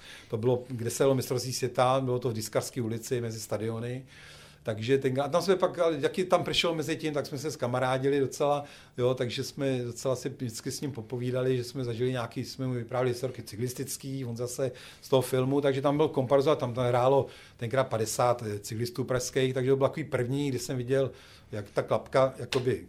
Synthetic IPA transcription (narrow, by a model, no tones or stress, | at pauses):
t̪o̞bɪlo̞ɡdɛsɛjalomɪst̪ɾost̪vʲiːsvjɛt̪abɪlo̞t̪ovdɪskafskiːulɪt͡sɪmɛzɪst̪adɪo̞nɪ | t̪aɡʒɛt̪ɛŋkɾat̪amsmɛpakalɪjakɪt̪amprɛʃlomɛzɪcɪmt̪aksmɛs̬ɛskamaɾaːɟɪlɪdot͡sɛla | jo̞t̪aɡʒɛsmɛdot͡sɛlasɪdɪt͡skɪsɲɪmpopo̞viːdalɪʒɛsmɛzaʒɪlɪɲaːkiːsmɛmuvɪpɾaːvɪlɪsoɾkɪt͡sɪklɪst̪ɪt͡skiːvo̞nzasɛ | st̪oɦofɪlmut̪aɡʒɛt̪ambɪlko̞mpaɾzoat̪amt̪ɦɾaːlo̞ | t̪ɛŋkɾaːt̪̚padɛsaːt̪t͡sɪklɪst̪uːpɾaʃskɛjxt̪aɡʒɛt̪obɪlt̪akoviːpr̩vɲiːɡdɪʃsɛmvɪɟɛl | jakt̪aklapkajako̞bɪ